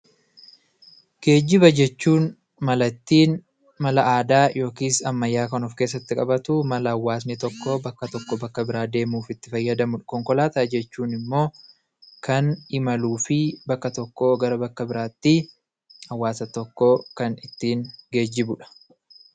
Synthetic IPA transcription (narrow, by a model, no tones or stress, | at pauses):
ɡ̥e̞ːd͡ʒːɪbɐd͡ʒɛt͡ʃːuːn | mɐlɐt̪ːiːn | mɐlɐʔaːd̪aːjʔo̞ːkiːsɐmːɐjːaːkɐnɔfkeːs̬ːɐt̪ːɪkʼɐbɐt̪ʊmɐlɐɐwːaːs̬nɛt̪ɔkːobɐkːɐt̪ɔkːɔbɐkːɐbɪɾaːd̪e̞ːmuːfɪt̪ːɪfɐjːɐd̪ɐmʊᶑkɔŋkɔlaːt̪ɐd͡ʒɛt͡ʃːuːnɪmːo̞ː | kɐnɪmɐluːfɪbɐkːɐt̪ɔkːoːɡɐɾɐbɐkːɐbɪɾaːt̪ːɪ | ɐwːaːsɐt̪ɔkːoːkɐnɪt̪ːiːnɡe̞ːd͡ʒːɪbʊᶑɐ̥